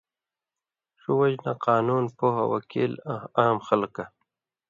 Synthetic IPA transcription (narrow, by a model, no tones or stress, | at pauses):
ʂuwad͡ʑnaqɑːnuːnpoha̰wa̰kʰḭːlaːmxalka